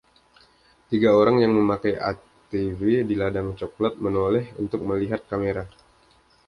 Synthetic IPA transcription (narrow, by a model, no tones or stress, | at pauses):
t̪iɡaoɾaŋjaŋməmakajʔa̰ | t̪ivediladaŋt͡ʃoklat̪̚mənolɛhṵnt̪ʊk̚məliɦat̪̚kameɾa